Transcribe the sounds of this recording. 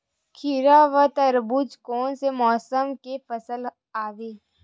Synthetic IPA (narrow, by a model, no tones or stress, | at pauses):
kʰiɾaʋət̪əɾbud͡ʒkoːnsemɔːsəmkepəsəl | aːʋeː